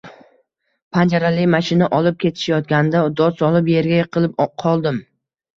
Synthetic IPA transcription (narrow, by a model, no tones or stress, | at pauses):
pʰand͡ʒaɾalɪmaʃɪnaʔɒlˠɪp̚kʲʰe̞t̪ʰɪ̥ʃajɒt̪̚ɡʲand̪aʊd̪ɒsɒlˠɪpje̞ɾɡʲaqʰɨlˠɪp̚qʰɒlˠd̪ɪm